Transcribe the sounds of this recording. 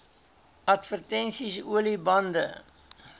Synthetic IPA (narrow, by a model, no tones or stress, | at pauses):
ɐtfərtɛnsisuəlibɐndə